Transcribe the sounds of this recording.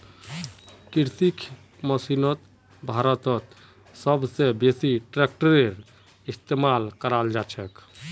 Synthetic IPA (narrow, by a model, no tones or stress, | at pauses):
kiɾt̪ikʰ | məsinət̪ | bʱaɾət̪ət̪ | səbsebesiʈɾek̚ʈəɾeɾ | ist̪emalkəɾald͡ʒat͡ʃʰɛk